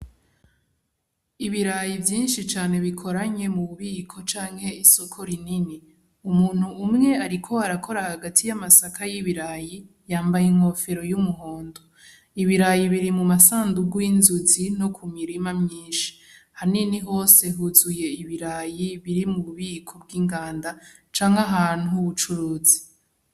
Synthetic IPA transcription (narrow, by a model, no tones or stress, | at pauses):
iβiɾajivjiːnʃit͡ʃaːne̞βikʰo̞ɾaɲe̞muβuβiːkʰo̞t͡ʃaːŋhe̞iso̞kʰoɾinini | umuːn̥huːmŋe̞aɾikʰo̞aɾakʰo̞ɾahaɡatʰijamasakʰajiβiɾaji | jaːmbajeŋ̥ho̞fe̞ɾo̞jumuɦoːndo | iβiɾajiβiɾimumasaːnduɡwiːnzuzino̞kʰumiɾimamɲiːnʃi̥haniniɦo̞ːse̞ɦuzuje̞iβiɾajiβiɾimuβuβiːkʰo̞bɡiːŋɡaːnda | t͡ʃaːŋhaɦaːn̥huβut͡ʃuɾuːzi̥